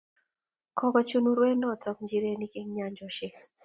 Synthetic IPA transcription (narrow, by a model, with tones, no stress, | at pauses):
kʰɔ˦kɔ˦t͡ʃu˦nu˦ɾwe˦nɔ˦˨tɔ˦k̚ɲd͡ʒi˦ɾe˦ni˦kɪ˦ŋɲa˦ɲd͡ʒɔ˨ʃɪ˦k